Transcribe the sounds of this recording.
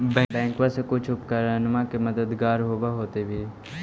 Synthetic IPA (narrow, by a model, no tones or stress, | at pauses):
bɛ̃bɛ̃ːŋkʋasekʊt͡ʃʰʊpkəɾənmãkeməd̪əd̪ɡaːɾɦoːʋaɦoːt̪ebʱiː